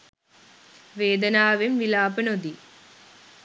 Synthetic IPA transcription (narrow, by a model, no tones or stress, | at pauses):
ʋeːd̪ɐnaːʋemʋilaːpənod̪i